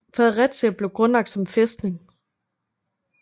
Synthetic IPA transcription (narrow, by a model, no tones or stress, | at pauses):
fæð̩ˠʁad̥t͡sʰeæb̥le̝ʊɡ̥ʁɔnlɑ̈ɡ̥̚d̥sɒ̽mfesd̥ne̝ŋ